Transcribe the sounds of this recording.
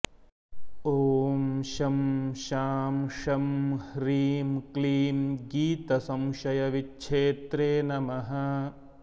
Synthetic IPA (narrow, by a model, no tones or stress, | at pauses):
oːmʃɐmʃaːmʃɐmhɾiːmkliːmɡiːt̪ɐsɐ̃mʃɐjɐʋitːʃʰeːt̪ɾeːnɐmɐɦɐ̆